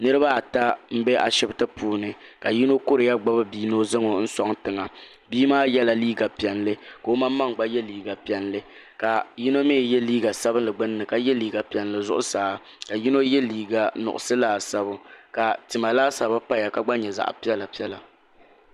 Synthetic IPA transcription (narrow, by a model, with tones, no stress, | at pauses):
nɨ˦ɾɨ˦ba˦˨ta˦m̩˦bɛ˦ʔa̰˨ʃɪ˦btɨ˦pʰuː˨nɨ˨ka˨ji˦no˦kʊ˦ɾɨ˨ja˦ɡ͡ba˦bɨ˦biː˦no˦zɨ˦ŋo˨n̩˦sɔ˦ŋtɨ˨ŋa˨ | biː˦maː˦jɛ˦la˨liː˦ɡa˨pi˨ɛ˨nlɨ˦ko˦ma˦mː˦a˦ŋɡ͡ba˦jɛ˦liː˨ɡa˨pi˨ɛ˨nlɨ˦ | ka˨ji˦no˦meː˦˨jɛ˦liː˦ɡa˨sa˦bɨ˦nlɨ˨ɡ͡bɨ˦nː˦ɨ˨ka˨jɛ˦liː˦ɡa˨pi˨ɛ˨nlɨ˨zʊ̰˦ʔʊ̰˦saː˨˦ | ka˨ji˦no˦jɛ˦liː˦˨ɡa˨nʊ̰˨ʔʊ̰˨sɨ˦laː˦sa˦βʊ˦ka˨tɨ˨ma˨laː˦sa˨ba˦pa˦ja˨ka˨ɡ͡ba˦ɲɛ˨za̰˨ʔpi˦ɛ˦la˨pi˦ɛ˦la˨